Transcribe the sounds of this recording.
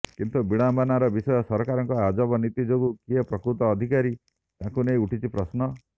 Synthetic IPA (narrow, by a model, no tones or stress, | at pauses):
kint̪ubiɽ̃ambanaɾɔbisɔjɔsɔɾɔkaɾɔŋkɔad͡ʒɔbɔnit̪id͡ʒoɡukiɦepɾɔkɾut̪ɔːd̪ʱikaɾi | t̪ãkunejuʈʰit͡ʃʰipɾɔsnɔ